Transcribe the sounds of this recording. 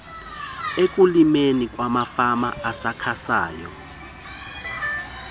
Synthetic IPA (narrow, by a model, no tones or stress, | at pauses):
ek̬ʼulimenik̬ʼwamafamaasakʰasa̰ːjɔ̰